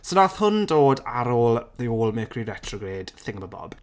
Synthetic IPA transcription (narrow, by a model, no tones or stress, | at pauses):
sənaθhʊndoːdaɾoːlˠðeoːlˠmɛːkʰrirɛtʰrɔɡreːd̥θɪŋbəbɔ̰b̥